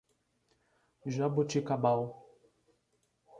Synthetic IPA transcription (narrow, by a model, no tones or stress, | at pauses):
ʒabot͡ʃikabaw